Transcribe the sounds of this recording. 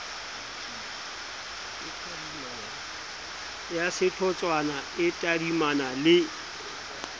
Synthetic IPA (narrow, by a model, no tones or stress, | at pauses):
ɪtʼadima | jasɪt͡ɬʰɔt͡sʼwanaɪtʼadimanalɪ